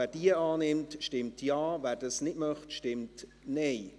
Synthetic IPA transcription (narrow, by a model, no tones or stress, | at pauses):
æːɾd̥iəaːnɪmtʃtɪmtʰjaːvæːɾdɑsnɪtmœχtʃtɪmt | nɛɪ